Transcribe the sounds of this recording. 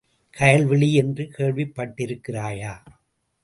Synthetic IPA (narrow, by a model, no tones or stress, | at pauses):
kʰɐjɐɭʋɪɭiɛndrɯkʰeːɻʋɪpːɐʈːɪɾɯkːɪraːjaː